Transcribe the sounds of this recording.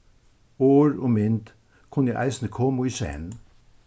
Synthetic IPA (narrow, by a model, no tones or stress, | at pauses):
oːɹoːmɪnt̪ | kʰʊnjæɪʔæ̰ɪsn̩əkʰoːmuiːsḛːn